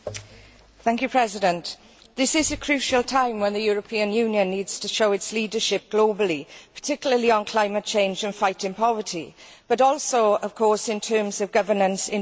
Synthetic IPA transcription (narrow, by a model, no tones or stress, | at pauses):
θæ̃ŋkjupʰɹ̥ɛzɪdə̃nt | ðɪsɪzəkʰɹ̥ʉˑʃəlˠtʰãɪ̃mwə̃nðəjɔːɹəpʰiə̃njʉːnjə̃nːiːdz̥tʰəʃoʊɪtsliːdəʃɪp̚ɡ̥loʊbəlˠipʰə̥tʰɪkjl̩ˠəliə̃nkʰl̥aɪ̃mət̚t͡ʃʰẽɪ̃nd͡ʒə̃nfaɪtɪ̃npʰɒvətʰḭ | b̥əɾɔˑlˠsoʊəv̥kʰɔˑsɪ̃ntʰɜːmzəvɡʌvənə̃nsɪ̃